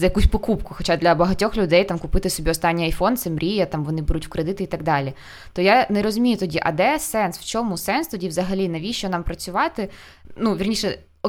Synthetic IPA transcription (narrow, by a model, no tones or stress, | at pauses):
zɐjɐkusʲpɔkupkʊxɔt͡ʃad̪lʲɐbɐɦɐtʲɔxlʲʊd̪ɛjt̪amkʊpɪt̪ɪsɔbʲiɔst̪ɑnʲːiɐjfɔnt̪sɛmɾʲijɐt̪ɑmʋɔnɪbʊɾutʲwkɾed̪ɪt̪ɪit̪ɐɡd̪ɑlʲi | t̪ɔjanɛɾɔzʊmʲijʊt̪ɔdʲiʔɐ̰d̪ɛsɛnsw̥t͡ʃɔmusɛnst̪ɔdʲiʋzɐɦɐlʲinɐʋʲiʃt͡ʃɔnɑmpɾɐt͡sʲʊʋɑt̪ɪ | nuʋʲirnʲiʂɛ | ɔ